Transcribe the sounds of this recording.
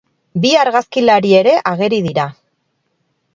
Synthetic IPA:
biaɾɣaskilaɾie̞ɾe̞ʔaɣ̞e̞ɾiðiɾa

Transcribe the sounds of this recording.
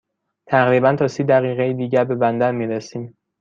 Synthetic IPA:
t̪ʰæʁɾiːbænt̪ʰɒːsiːd̪æʁiːʁejid̪iːɟæɾbe̞bænd̪æɾmiːɾesiːm

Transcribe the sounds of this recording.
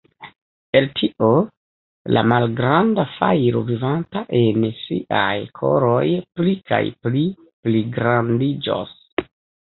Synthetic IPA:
e̞ltʰiʔo | lʔa̰malɡɾandafajɾo̰vivantaʔensḭʔajkʰo̞̰ɾo̞jplikʰa̰jpli | pliɡɾandid͡ʒo̰s

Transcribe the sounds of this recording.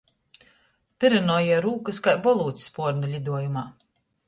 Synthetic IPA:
t̪ɨɾɛnɔːjiɛɾuːkɨskajbɔlˠuːt̪sʲspuɔɾnulʲid̪uɔjumaː

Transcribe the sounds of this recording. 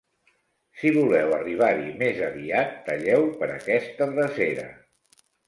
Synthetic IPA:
siβulɛwəriβ̞aɾimezəβiat̪ːəʎɛwpəɾəkɛst̪ərəzeɾə̰

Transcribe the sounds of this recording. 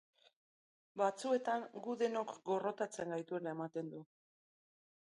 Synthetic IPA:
bat͡sue̞t̪aŋɡuðe̞no̞kɡo̞ro̞t̪at͡se̞ŋɡajt̪ue̞lae̞mat̪e̞nd̪u

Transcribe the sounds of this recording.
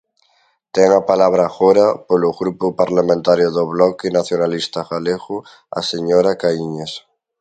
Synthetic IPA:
t̪eŋapalaβ̞ɾaxoɾapoloɣɾupopaɾlamẽnt̪aɾjoðoβlɔkenaθjonalist̪aɣaleɣu | a̰seɲoɾakaiɲes

